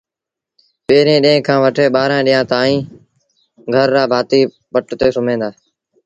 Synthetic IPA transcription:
peːɾẽːɗĩːkʰãːʋəʈʰeːɓaːɾãːɗɪjãːt̪aːĩː | ɡʱəɾːaːbʱaːt̪iː | ɓəʈt̪eːsʊmẽːnd̪aːe

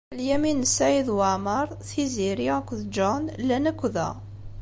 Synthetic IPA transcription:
ljæminsæiðwəʕməɾˤθiziɾiækʷðd͡ʒɔnlːænækʷːðæ̰

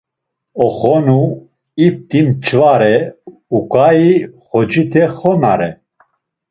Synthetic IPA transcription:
ɔχɔnu | ip̚t̪ʼimt͡ʃʰvaɾɛ | ukʼaiχɔd͡ʒit̪ʰɛχɔna̰ɾɛ

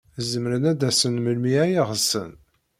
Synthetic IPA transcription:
zəmɾənæd̪æsənməlmiæjiʁəsə̰n

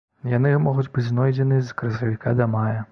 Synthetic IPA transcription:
janɨmɔɣud͡zʲbɨd͡zʲznɔjd͡zʲɛnɨzkɾɐsɐvʲikad̪ɐmajɐ

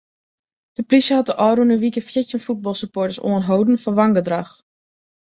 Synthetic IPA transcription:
d̥əplisjəɦat̚dəʔɔːɾunəʋikəfjɪtjənfut̚bɑlˠsypɔɹtəso̰ənɦowdən̩fɔnʋɑŋɡədrax

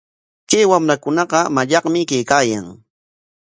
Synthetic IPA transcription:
kajwamɾakʊnɑɢɑmaʎɑqmɪkajkaːja̰ŋ

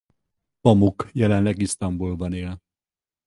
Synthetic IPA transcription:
pɒmukjɛlɛnlɛɡist̪ɒmbulbɒneːl

